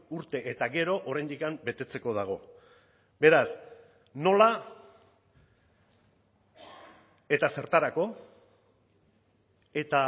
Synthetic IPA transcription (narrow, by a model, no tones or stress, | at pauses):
uɾt̪e̞ʔet̪aɣe̞ɾo̞ʔoɾajnd̪ikambe̞t̪e̞t͡se̞ko̞ð̞aɣ̞o̞ | be̞ɾas | no̞la | e̞t̪ase̞ɾt̪aɾako̞ | e̞t̪a